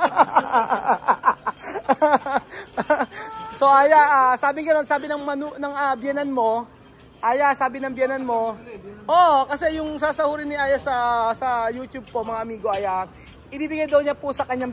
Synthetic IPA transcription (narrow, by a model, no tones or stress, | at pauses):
so̞ʔaːjaʔasaːbɪŋɡɐno̞nsaːbɪnɐŋmɐnunɐŋabjɛnɐnmo̞ | ʔaːjasaːbɪnɐŋbjɛnɐnmo̞ʔokɐsɛjʊŋsaːsɐhuːɾɪnɪʔaːjɐsɐsɐjuːt̪jub̚pomɐŋaʔɐmiːɡoʔaːja | ʔɪbiːbɪɡajd̪ɐwɲapʊsɐkɐɲːaŋ